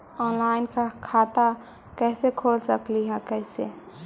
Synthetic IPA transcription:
ɔːnlaːɪnkakʰaːt̪a | kɛːsekʰoːlsəkliɦɛkɛːsḛ

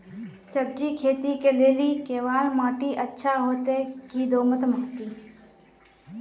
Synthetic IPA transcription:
səb̚d͡ʒikʰeːt̪ikeleːlikeːʋaːlmaːʈiʔətːʃʰaɦoːt̪ekid̪oːmət̪əmoːt̪i

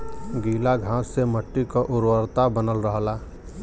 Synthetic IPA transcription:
ɡiːlaɡʱãːsːeməʈːikoʔʊɾwəɾt̪abənəlɾəɦlaː

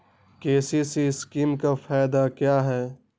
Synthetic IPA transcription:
keːsisiskiːmkafaːɪd̪akjaːɦɛː

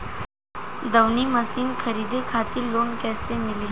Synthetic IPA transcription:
d̪ɐwnimɐsiːnkʰɐɾiːd̪ekʰaːt̪iloːnkɛːsemɪli

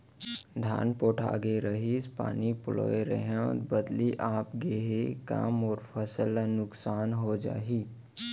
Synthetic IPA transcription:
d̪ʱa̰ːnpoːʈʰa̰ːɡeɾəɦispa̰ːnipʊlo̰ːeɾə̰ɦãbəd̪liʔaːpɡeːɦeka̰ːmɔːɾpʰəsəlnʊksaːnɦod͡ʒa̰ːɦiː

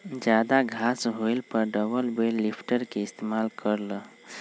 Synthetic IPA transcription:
d͡ʒad̪aɡʱasɦojlpəɾɖəbəlbelːipʰʈəɾkeist̪emalkəɾlə

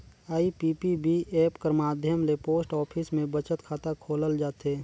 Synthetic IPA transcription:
aːipiːpibieːpkəɾmaːd̪ʱjəmlepoːsʈɔːpʰɪsmẽbət͡ʃət̪kʰaːt̪akʰoːləld͡ʒaːt̪ɦeː

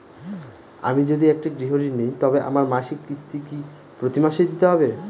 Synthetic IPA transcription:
a̰mid͡ʑod̪iɛk̚ʈiɡɾiɦoɾinejt̪ɔbeʔa̰maɾmaʃikːist̪iki | pɾot̪imaʃejd̪it̪eɦɔbe

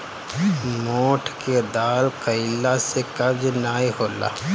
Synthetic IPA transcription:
moːʈʰked̪aːlkəɪlːasekɐbd͡ʒnaːiɦoːla̰ː

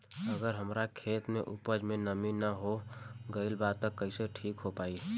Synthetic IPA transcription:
əɡəɾɦəmɾakʰeːt̪mḛʔupəd͡ʒmenəminəɦoɡəilbad̪̚t̪ɔkəɪseʈʰiːkɦopaːi

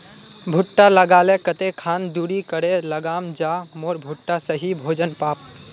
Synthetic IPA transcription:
bʱuʈːaləɡalekət̪ekʰand̪uɽikəɽeləɡamd͡ʒamoɾbʱuʈːasəɦibʱod͡ʒənpap̚

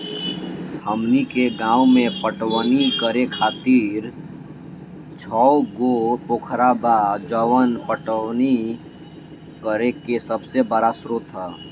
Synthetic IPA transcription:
həmnikeɡãːumẽpəʈʋnikəɾekʰaːt̪iːɾ | t͡ʃʰɔɡopoːkʰɾabad͡ʒəwənpəʈəni | kəɾekesəbsebəɾasɾʊt̪ɦɛː

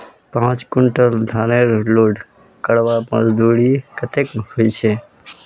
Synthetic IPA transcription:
pãːt͡ʃkʊɳʈəld̪ʱaːneɾloːɖ | kəɽʋamə̰zd̪uːɽikət̪ekhoit͡ʃʰeː

